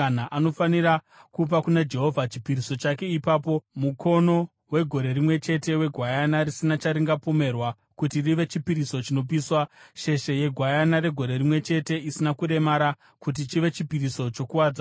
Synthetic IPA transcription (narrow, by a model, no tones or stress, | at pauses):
naʔano̞fanira | kup̬akunad͡ʒe̞ɦo̞vʱat͡ʃi̥piriso̞t͡ʃake̞ipaːpo̞mukʰo̞no̞ | we̞ɡʱo̞ɾe̞rimwe̞t͡ʃe̞te̞we̞ɡʱwajanarisinat͡ʃaɾiŋɡapo̞me̞rwa | kutiriʋe̞t͡ʃipiɾiso̞t͡ʃino̞p̬iːswaʃe̞ʃe̞je̞ɡʱwajanaɾe̞ɡʱo̞ɾe̞rimwe̞t͡ʃe̞te̞isinakuɾe̞maɾa | kut̬it͡ʃiʋe̞t͡ʃipiɾiso̞t͡ʃo̞kuwad͡za